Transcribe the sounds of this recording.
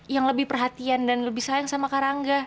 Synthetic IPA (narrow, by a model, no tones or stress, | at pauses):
jaŋləbɪhpərɦat̪iandanləbɪhsaaŋsamakaɾaŋɡa